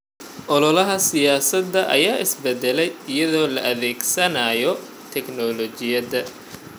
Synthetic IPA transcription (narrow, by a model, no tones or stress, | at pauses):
ʔɔlɔlɐɦɐsɪjaːsɐd̪ːɐʔɐ̰jaːʔɪsbɛd̪ɛlɛjɪjɐðɔːlɐ̰ʔɐðɛːɡsɐnaːjɔ | t̪ʰɛknɔlɔt͡ʃɪjɐd̪ɐ